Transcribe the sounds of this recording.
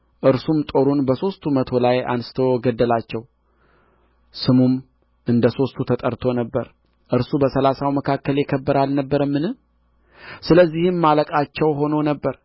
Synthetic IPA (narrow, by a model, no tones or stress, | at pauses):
ʔɨɾsumt̪ʼo̞ɾunbəso̞st̪ʰumət̪ʰo̞laja̰nsɨ̥t̪ʰo̞ɡəd̪ːəlat͡ʃːɛw | sɨmum | ʔɨnd̪əso̞st̪ʰut̪ʰət̪ʼəɾt̪ʰo̞nəbːəɾ | ʔɨɾsubəsəlasawməkʰakːəljɪkʰəbːəɾalnəbːəɾəmːɨnɨm | sɨləzːihɨmːaləkʼat͡ʃːɛwɦo̞nonəbːəɾ